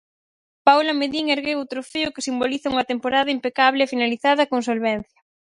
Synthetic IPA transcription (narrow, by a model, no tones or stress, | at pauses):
pawlɐmeðiŋeɾɣewʊt̪ɾofeʊkɪsimboliθɐuŋɐt̪empoɾaðɐimpekaβlɪːfinaliθað̞ɐkoŋsolβɛn̟θjɐ